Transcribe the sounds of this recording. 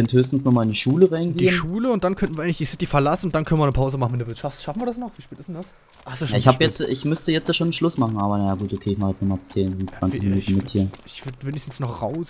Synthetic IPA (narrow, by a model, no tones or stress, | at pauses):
ɛnthøːs̬tn̩snɔχmaːlɪndiʃuːləʁaɪnɡed̥iːənʃuːləʊnt̚d̥ankʰœntn̩iɐʔɪŋlɪçdisɪtifɛɐlasn̩ʊntd̥ankʰœnən̩viɐnəpʰaʊzəmaχn̩mɪtdːɐvɪɐtʃaftʃafnviɐdasnɔχviːʃpɛːtɪsd̥ɛnd̥as | ʔasojaɪ̰çhabjɛt͡stʔɪçmʏstəjɛt͡stjaːʃoːnənʃlʊsmaχn̩ʔaːbɐnajaːɡuːtʔokʰeːɪçmaːχjɛt͡snɔχmaːlt͡seːnɪnt͡sv̥ant͡sɪçminuːn̩mɪthiːɐɪçv̥ɪɐtveːnɪçstn̩snɔχʁaʊs